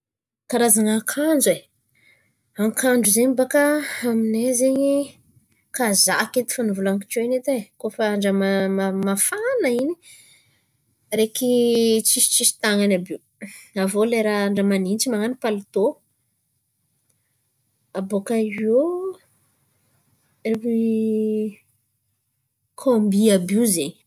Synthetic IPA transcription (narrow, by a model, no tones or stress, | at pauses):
kaɾazaŋakʰand͡ʒe | aŋkʰaɳɖ͡ʐuzeɲbakaːminezeɲi | kaza̰ket̪i̥fanuvulaŋki̥koinet̪ekofaaɳɖ͡ʐəmaamafanaini̥ | ɾekit͡sisi̥t͡ʃisi̥t̪aŋanabi | avoleɾaaɳɖ͡ʐəmanint͡ʃimaŋanipalit̪o | abokao | rei | kʰombiabiuzeɲ